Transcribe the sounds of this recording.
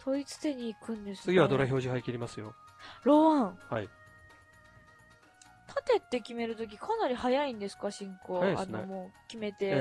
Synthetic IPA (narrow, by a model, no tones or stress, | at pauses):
t̪o̞it͡sɨ̥t̪e̞ɲ̟iːkɯ̟̃nd̪e̞sɨsɨɡʲiβad̪oɾaçʲo̞ːʑiɦaikʲiɾʲimasɨjo̞̰ | ɾo̞βãŋhai | t̪ʰat̪e̞t̪ːe̞kʲime̞ɾɯ̟t̪o̞kʲikʰanaɾʲihajaĩnd̪e̞sɨ̥kaɕĩŋko̞ːa̰nomo̞ːkʲime̞t̪e̞